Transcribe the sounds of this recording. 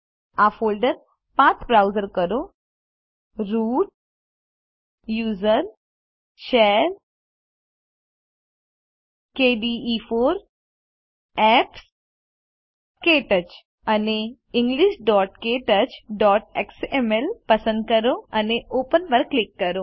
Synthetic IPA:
aːfoːlɖəɾ | pãːt͡sʰbɾaʊzəɾkəɾo | ɾuːɖ̚ | juːzəɾ | ʃeːɾ | keːɖiːiːfoːɾ | ɛps | keːʈət͡ʃ | ɐne | ɪ̃ŋɡliʃɖɔːʈkeːʈət͡ʃɖɔːʈeksemelpɐsə̃nd̪̚kəɾoɐneʔoːpənpəɾklikːɐɾoː

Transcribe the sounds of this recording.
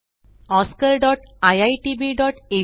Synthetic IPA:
ɔskəɾɖɔʈajajʈibiɖɔːʈe

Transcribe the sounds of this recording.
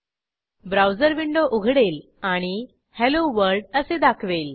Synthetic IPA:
bɾawd͡zəɾʋiɳɖoʔuɡʱɽel | aɽ̃i | hɛloʋəɾɖəsed̪akʰʋel

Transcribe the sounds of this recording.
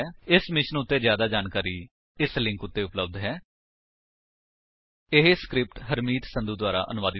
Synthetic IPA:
ɪsmɪʃənʊt̪ːeːzjaːd̪aːd͡ʒaːnkaːɾiː | ɪslɪ̃ŋkʊt̪ːeːʊpləb̚d̪ɦɛː | ɪɦeskɾɪp̚ʈɦəɾmiːt̪sə̃nd̪ud̪waːɾa̰ːʔənʊʋaːd̪i

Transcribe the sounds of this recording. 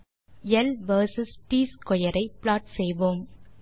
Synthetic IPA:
jɛlʋɐːɾsɪsʈiːskɔjɐɾʔɐɪplaːʈsɛjʋoːm

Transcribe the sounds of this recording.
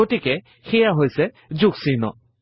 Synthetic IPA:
otikɛ | xɛjaɦojsɛ | zuksinɔ̰

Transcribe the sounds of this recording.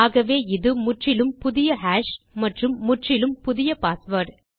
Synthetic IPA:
aːɣɐʋeːɪðɯmʊʈrɪlɯmpʊðɪjɐɦaːʂ | mɐʈrɯmːʊʈrɪlɯmpʊðɪjɐpaːsʋɐːʈ

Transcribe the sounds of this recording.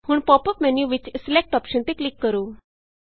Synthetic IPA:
huːɳpɔpəpmɛnjuʋit͡ɕslek̚ʈɔpɕənt̪eklikːəɾu

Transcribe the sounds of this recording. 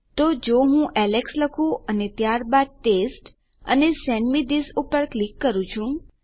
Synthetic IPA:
t̪od͡ʒoɦũʔɛleksləkʰũənet̪jaɾbad̪̚ʈesʈ | ə̰nesɛnmid̪isupəɾklikːəɾũt͡ʃʰũ

